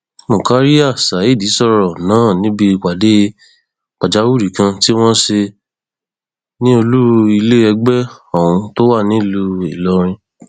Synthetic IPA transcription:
mũ˨ka˨˦ɾi˦a˦˨sa˨i˦˨di˨˦sɔ˦˨ɾɔ˨nãː˨˦˨nĩ˦bi˧˨ka˨de˨˦ | k͡pa˨d͡ʒa˨˦wu˦˨ɾi˨kã˧ti˦w̃ɔ̃˦ʃe˧ | nĩ˦o˧lu˦ɾu˧i˧le˦ɛ˧ɡ͡bɛ˦ɔ̃˦˨ũ˧to˦wa˦˨nĩ˦lu˧i˨lɔ˧˦ɾ̃ĩ˧

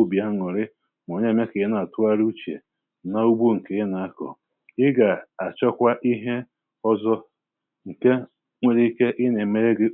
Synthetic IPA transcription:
bi˨a˦ŋʊ˨ɾɪ˦ | m˨o˨ɲe˦me˦ke˨ɪ˦na˨tʊ˦a˦ɾu˦t͡ʃḛ˨˦ | na˦u˦bu˦ŋ̩˨ke˦ɪ˦na˨a˦kɔ̰˨ | ɪ˦ɡa˨a˨t͡ʃɔ˦kʷa˦ʔi˦ɦe˦ | ɔ˦zɔ˦ | ŋ̩˨ke˦ | ŋʷe˦ɾi˦ke˦ʔɪ˦ne˨me˦ɾe˦ɡɪ˦

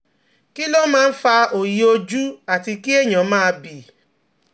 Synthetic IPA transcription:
ki˦lo˦mãː˦˧˦fa˧o˨ji˨o˧d͡ʒu˦a˨ti˧ki˦e˦˨j̃ã˨˦mãː˦˧bi˨

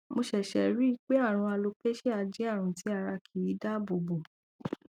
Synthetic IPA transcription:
mo˧ʃɛ˨ʃɛ˨ɾi˦i˧˦k͡pe˦a˦˨ɾ̃ũ˧a˧lo˧pe˦ʃe˦a˧d͡ʒi˦a˦˨ɾ̃ũ˧tʰi˨˦a˦˨ɾa˧kʰi˨i˨˦da˦˨bo˨bo˨

